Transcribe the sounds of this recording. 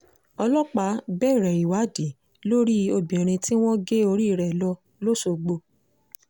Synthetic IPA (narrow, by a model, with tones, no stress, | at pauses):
ɔ˧lɔ˦k͡pa˧˦bɛː˦˨i˨ɾɛ˨i˨wa˨˦di˨ | lo˦ɾi˦o˧bĩ˨ɛ̃˨ɾ̃ĩ˧ti˦w̃ɔ̃˦ɡe˦o˧ɾi˦˨ɾɛ˨lɔ˧˦ | lo˦so˧ɡ͡bo˧